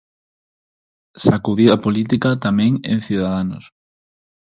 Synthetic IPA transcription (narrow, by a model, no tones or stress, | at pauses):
sakuðiðɐpolit̪ikat̪amɛ̃ŋḛ̃nθuðaðano̰s